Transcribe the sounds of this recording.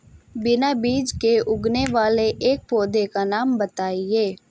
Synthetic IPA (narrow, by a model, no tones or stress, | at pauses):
bɪnabiːd͡ʒkeʔʊɡneʋaːleʔeːk̚poːd̪ekanaːmbət̪aːieː